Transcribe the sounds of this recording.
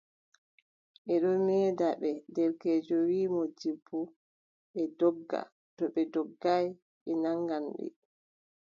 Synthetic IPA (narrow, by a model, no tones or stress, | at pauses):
ʔɛɗɔmɛːdaɓɛdɛɾkɛːd͡ʒɔwiːmɔd͡ʒibːu | ɓɛdɔɡːa̰ | tɔɓɛdɔɡːaj | ɓɛnaŋɡamɓɛ̰